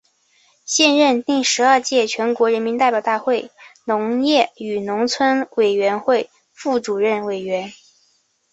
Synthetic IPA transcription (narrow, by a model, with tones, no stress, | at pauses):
ɕjɛ˥˧nɻə˥˧nt̪i˥˩ŋʂɻ̩˧˥ɐ˞˥˧t͡ɕjɛ˥˩t͡ɕʰɥɛ˧˥nkwɔ˧˥ɻə˧˥nmi˧˥nt̪a˥˩ɪpjʊt̪a˥˧xwe˥˩ɪnʊ˧˥ŋjɛ˥˩y˨˩nʊ˧˥ŋt͡sʰwə˥nwe˨˩ɪɥɛ˧˥nxwe˥˧ɪ | fu˥˩ʈ͡ʂu˨˩ɻə˥˩nwe˨˩ɪɥɛ˧˥n